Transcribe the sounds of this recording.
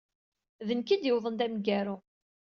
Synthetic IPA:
ðənkid̪jɪwðˤənd̪æmɡæɾʊ

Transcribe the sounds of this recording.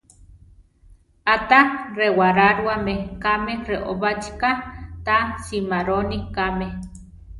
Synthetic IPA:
at̪arewaɾaɾwamekamereʔoβat͡ʃi̥kat̪asimaɾonikame

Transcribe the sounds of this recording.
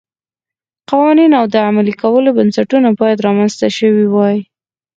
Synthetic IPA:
qɑwɑninawd̪əamalikawəlobansaʈunabɑjad̪ɾɑmanzt̪aʃəwiwɑji

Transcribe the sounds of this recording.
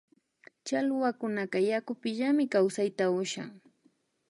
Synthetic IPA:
t͡ʃalʊwakʊnakajakʊpɪʎamɪkawsajt̪aʊʃa̰ŋ

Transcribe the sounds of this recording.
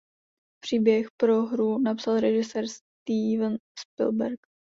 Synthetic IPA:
pr̝̥iːbjɛxpɾoɦɾunapsalɾɛʒɪsɛːɾst̪iːvənspɪ̰lbɛɾk

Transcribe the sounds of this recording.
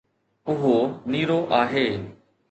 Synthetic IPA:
ʊɦoniːɾoʔaːɦeː

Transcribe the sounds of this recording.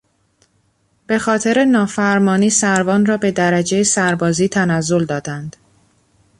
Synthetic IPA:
b̥e̞xɒːt̪ʰe̞ɾe̞nɒːfæɾmɒːniːsæɾvɒːnrɒːbe̞d̪æɾæd͡ʒejesæɾbɒːziːt̪ʰænæzːo̞ld̪ɒːd̪ænd̪̥

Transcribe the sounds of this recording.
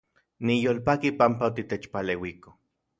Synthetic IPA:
nijoːlpakipampaot̪it̪et͡ʃpalewiko̥

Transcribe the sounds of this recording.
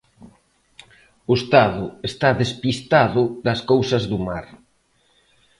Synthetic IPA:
ʊest̪aðʊest̪aðespist̪aðʊðɐskowsɐzðumaɾ

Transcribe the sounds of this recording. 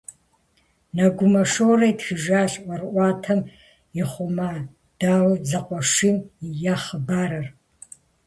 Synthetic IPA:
nɐɡʷʊmɐʂowrɐjtxɨʒaːɬʼʔʷɐrʔʷɑːtʰɐm | ɪχʷʊma | d̥aːwzɐqʷɔʂimjaχəbaːɾɐr

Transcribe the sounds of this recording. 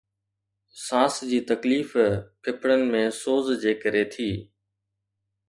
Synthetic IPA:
sãːsd͡ʑiːt̪ɐkliːfkʰɪpʰɽənɪ̆mẽːsoːzd͡ʑeːkəɾet̪ʰiː

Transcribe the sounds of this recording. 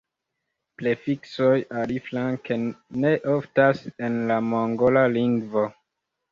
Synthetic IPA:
plefiksojaɾiflankene̞ʔoftase̞nlamoŋɡolaliŋɡvo

